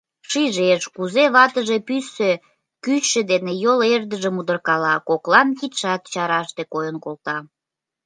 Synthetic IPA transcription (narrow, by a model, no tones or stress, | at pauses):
ʃiʒeʃkuzeβɑt̪əʒepysːe | kyt͡ɕʃĕd̪enejolerd̪əʒəmud̪ərkɑlɑkoklɑnkit̪ʃɑt̪t͡ɕɑɾɑʃt̪ekojənkolt̪ɑ